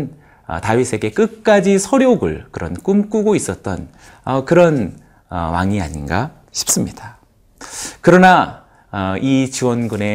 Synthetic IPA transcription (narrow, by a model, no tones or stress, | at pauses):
n | ʌ̰tawisʰe̞ɡe̞k͈ɯk̚k͈ad͡ʑisʰʌɾjoɡɯɭkɯɾʌ̰nk͈umk͈uɡois͈ʌt̚t͈ʌ̰n | ʌkɯɾʌn | ʌ̰wa̰ŋia̰ɲinɡa̰ | ɕʰi̥p̚s͈ɯmɲid̥a | kɯɾʌna | ʌit͡ɕiwʌnɡune̞